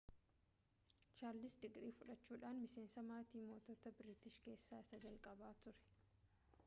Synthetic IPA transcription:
t͡ʃaːɾlɪsd̪ɪɡɾiːfʊᶑɐt͡ʃːuːᶑaːnmɪse̞ːnsɐmaːt̪iːmo̞ːt̪ɔːt̪ɐbɪɾɪt̪ɪʃke̞ːsːaːɪsɐd͡ʒɐlkʼɐbaːt̪ʊɾɛ̥

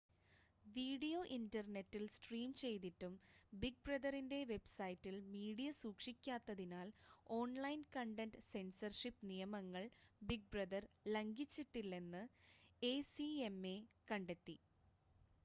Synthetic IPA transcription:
ʋiːɽijo̞ʔindɐrne̞tːilsʈriːmt͡ɕe̞jt̪̬itːumbiɡ̚brɐd̪ɐrinde̞ʋe̞bsɐjtːilmiːɽijɐsuːkʂikʲːaːt̪ːɐðinaːlo̞ːnlɐjnkɐɳɖendsensɐrʂipːnijɐmɐŋːɐɭbiɡ̚brɐd̪ɐrlɐŋɡit͡ɕːiʈːilːe̞nːɨe̞ːsie̞mːekɐɳɖe̞t̪ːi

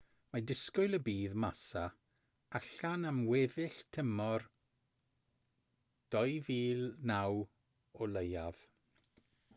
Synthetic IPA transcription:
madɪskʊjlˠəbiːðmasa | aɬanamwɛðɪɬtʰəmɔr | d̥ɔjviːlˠnaw | ɔləjav̥

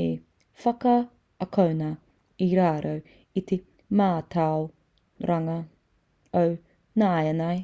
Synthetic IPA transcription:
e | fɐkɐ | ɐkʰownɐ | iɾaːɾʔɐw | it̪ʰe | maːtʰaw | ɾʔɐŋɐ | ɐw | naːjɐnaj

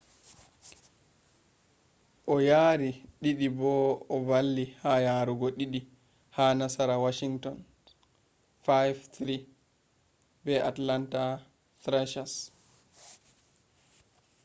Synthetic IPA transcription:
ʔɔjaːɾiɗiɗibɔɔbalːihajaɾuɡɔɗiɗi | haːnasaɾawaʃiŋtɔn | fajvt̪ɾi | bɛʔatlanta | t̪ɾɛʃas

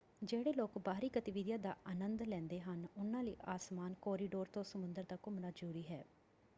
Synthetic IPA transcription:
d͡ʒeːɽeːloːkbaːɾiːɡət̪ɪʋɪd̪jãːd̪a̰ːʔaːnənd̪lɛ̃ːnd̪eːɦənʊnãːləiːʔaːsmaːnkɔːɾiːɖoːɾt̪õːsəmʊnd̪əɾd̪aːkʊmnaːd͡ʒuːɾiːɦɛː

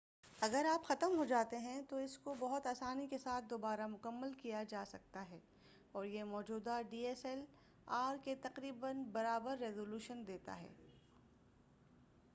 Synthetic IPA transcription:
ɐɡəɾaːpxɐt̪əmɦod͡ʒaːt̪eɦɛ̃t̪oɪskobɐɦʊt̪aːsaːnikesaːt̪̚ʰd̪oːbaːɾamʊkəmːəlkijad͡ʒaːsɐk̚t̪aɦɛː | ɔːɾjemɔːd͡ʒuːd̪aɖiːɛːsɛl | aːɾket̪ɐqɾiːbənbɐɾaːbəɾːeːzoːluːʃənd̪eːt̪a̰ɦɛ̰ː

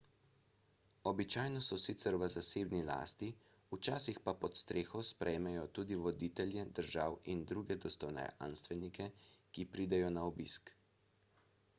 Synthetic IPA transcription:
ɔbit͡ʃaːjnɔsɔsit̪sɛɾʋəzaseːbnila̰ːst̪i | ut͡ʃaːsixpapɔt̪st̪ɾeːxɔspɾʔɛjmɛjɔt̪uːd̪iʋɔd̪iːt̪ɛljɛd̪əɾʒaːwind̪ɾuɡɛd̪ɔst̪ɔwnɛ̰a̰nst̪ʋɛnikɛkipɾiːd̪ɛjɔnaɔbisk

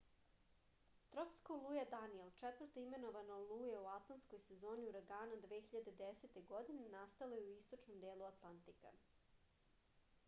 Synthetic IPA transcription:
t̪ɾopskolˠuːjed̪anijelˠt͡ʃet̪vər̩ɾt̪oime̞no̞ʋanolˠuːjeuat̪lˠant̪sko̞jsezo̞ːniuɾaɡaːnad̪ʋeːçiʎad̪ed̪eset̪eɡo̞d̪inenast̪alejeuist̪ot͡ʃnomd̪eːlˠuat̪lˠant̪ika̰

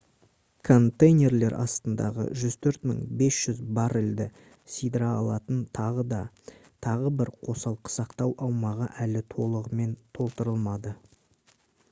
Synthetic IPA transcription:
kʰo̞nt̪ejnʲe̞ɾle̞ɾʔɑ̰st̪ənd̪ɑ̰ʁə̰ʒʏzt̪ʰɵɾt̪mə̰ɴbe̞sʒ̥ʏzbɑɾɪld̪ɪ | sijd̪ɾɑɑlˠɑt̪ənt̪ʰɑʁəd̪ɑ | t̪ʰɑʁəbɪɾqʰo̞sɑlˠqə̥sɑqt̪ɑwʔɑwmɑʁəʔælɪt̪ʰo̞lˠəʁəme̞nt̪ʰo̞lˠt̪əɾəlˠmɑd̪ə

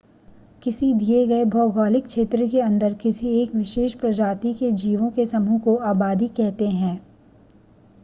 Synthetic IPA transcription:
kɪsid̪ieɡɐebʱɔːɡɔːlɪkʃeːt̪ɾəkeɐ̃nd̪əɾkɪsieːkʋɪʃeːʃpɾɐd͡ʒaːt̪iked͡ʒiːʋõkesɐmukoaːbaːd̪ikɛɦt̪eɦɛ̃ː

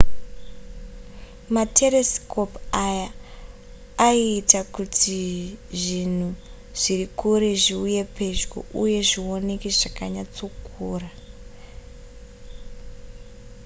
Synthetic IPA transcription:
matʰe̞resko̞paja | iːtakutʰiʐin̤u | ʐ̥iɾikuɾeʐiuje̞pe̞ʒɡo̰ʔuje̞ʐio̞nekiʐakaɲat͡so̞kuːra

